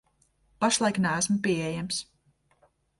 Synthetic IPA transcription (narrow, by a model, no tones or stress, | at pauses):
paʃlˠajknæːæsmʊpʲiɛɛjæms